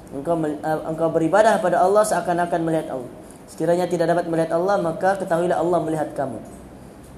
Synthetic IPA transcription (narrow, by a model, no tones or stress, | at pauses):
əŋkawmə̰ŋkawbəɾibadahkəpadaɑlːɑhsəakanakanməliɦat̪ɑ̰lːɔ̰h | sə̥kiɾaɲat̪idaʔkdapat̪̚məliɦat̪ɑlːɑhmakakət̪aɦuilaɦɑlːɑhməliɦat̪̚kamṵ